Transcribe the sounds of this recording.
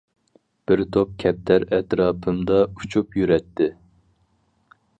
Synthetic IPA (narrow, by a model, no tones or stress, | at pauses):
b̥ɪɾt̪ʰop̚kʲʰɛp̚t̪ʰæɾɛt̪ɾɑːpʰɨmd̪ɑut͡ʃʰupjyɾɛt̪ʰːɪ